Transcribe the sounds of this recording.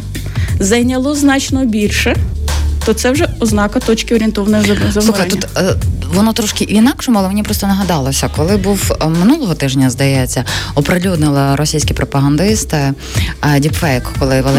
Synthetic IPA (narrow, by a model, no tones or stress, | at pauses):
zɐjnʲɐlˠɔznɑt͡ʃnɔbʲilʲʃɛt̪ɔt̪sɛwʒɛɔznɑkɐt̪ɔt͡ʃkʲɪɔɾʲiɪnt̪ɔʋɐnɔjzɐsˠuxɐjnuːɐt̪ʋɔnɔt̪ɾɔʃkɪʔinɑkʂɔmʊɑlˠɛmenʲipɾɔst̪ɔnɐɦɐd̪ɑlˠɔsʲɐkɔlˠɪbuwmɪnulˠɔɦɔt̪ɪʒnʲɐzd̪ɐjɛt͡sʲːɐɔpɾelʲud̪nɪlˠɐɾɔsʲijsʲkʲipɾɔpɐɦɐnd̪ɪst̪ɪ | dʲipfɛjkkɔlˠɪʋelˠ